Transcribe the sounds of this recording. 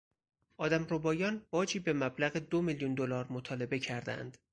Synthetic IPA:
ʔɒːd̪æmɾobɒːjɒːnbɒːd͡ʒiːbe̞mæblæɣed̪o̞miljund̪olɒːɾmot̪ʰɒːle̞be̞cʰæɾd̪æ̰nd̪̥

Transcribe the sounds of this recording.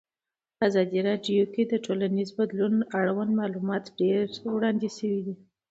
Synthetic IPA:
pəazɑd̪iɾɑɖjoked̪əʈolanizbad̪lunaɽawanmɑlumɑt̪ɖeɾwɽɑnd̪esəwid̪i

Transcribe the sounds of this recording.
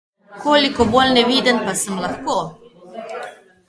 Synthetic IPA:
kʰoːlikɔboːlnɛʋiːd̪ənpasəmlaxkoː

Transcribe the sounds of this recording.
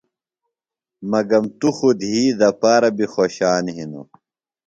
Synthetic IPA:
mɐɡɐmt̪uxud̪ɦiːd̪ɐpaːɾɐbixoːɕaːnɦino̰

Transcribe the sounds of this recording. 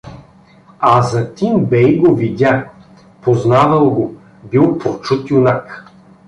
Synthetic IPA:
azɐt̪imbɛjɡovid̪ʲa | poznavɐlˠɡo | bilˠpot͡ʃut̪jʊnak

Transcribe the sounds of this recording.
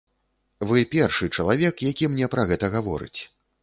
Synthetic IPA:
vɨpʲɛrʂɨt͡ʂɐlˠavʲɛkjakʲimnʲɛpɾɐɣɛt̪ɐɣavɔ̰ɾɨ̰t͡sʲ

